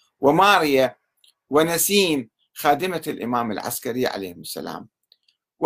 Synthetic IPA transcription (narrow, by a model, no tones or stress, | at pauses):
wɪmaːɾɪja | wɪnasiːn | xaːd̪ɪmalʔɪ̰maːmɪlʕa̰skaɾiʕa̰lejːhɪmɪsːa̰la̰ːm | w